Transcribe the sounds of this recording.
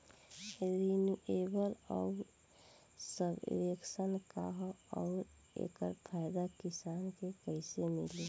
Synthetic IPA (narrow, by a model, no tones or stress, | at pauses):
ɾenjuʔebəlɔ̰ | səb̰ɾeksənka̰ɦɔːɾ | ḛːkə̰ɾpʰaːɪd̪akisaːnkekəɪsemḭle